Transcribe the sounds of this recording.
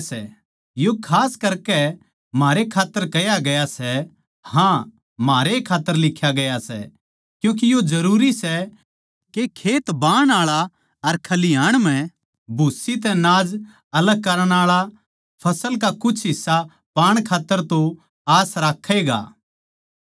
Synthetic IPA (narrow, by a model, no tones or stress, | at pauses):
sɛ̰ | jokʰaːskɐɾkɛ | maːɾekʰaːt̪ːəɾkɐjaɡɐjasɛ | hã | maːɾekʰaːt̪ːəɾlɪkʰːjaɡɐjasɛ̰ | kjũːk̬ijod͡ʒɐɾuːɾisɛ | kekʰeːt̪baːɽ̃aːɭa | ɐɾkʰɐlɪjaːɽ̃m̤ɛ̃ | bʱusit̪ɛ̃naːd͡ʒ | ɐləɡ̚kɐɾəɽ̃aːɭa | pʰɐsəlkakʊt͡ʃʰɦɪsːa | paːɽ̃kʰaːt̪ːəɾt̪õ | aːsɾaːkʰːeːɡa̰ː